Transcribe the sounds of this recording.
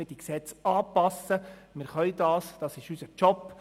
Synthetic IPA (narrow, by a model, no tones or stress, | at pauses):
əd̥iksɛt͡sɑːpɑsəmɪɾχœjdɑːsd̥ɑsɪʃysət͡ʃɔpː